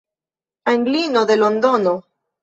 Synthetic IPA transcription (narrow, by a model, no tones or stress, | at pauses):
aŋɡlinoðelond̪ono